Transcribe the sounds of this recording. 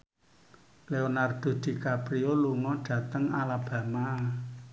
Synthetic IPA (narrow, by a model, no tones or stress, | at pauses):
leonard̪̥o̤d̪̥i̤kapɾioluŋɔɖ̥ä̤t̪əŋalab̥ä̤ma